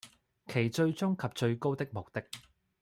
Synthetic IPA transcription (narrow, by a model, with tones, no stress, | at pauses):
kʰe˨˩jt͡ʃɵ˧ɥt͡sʊ˥ŋkʰɐ˨p̚t͡ʃɵ˧ɥko˥wt̪ɪ˥k̚mo˨˩k̚t̪ɪ˥k̚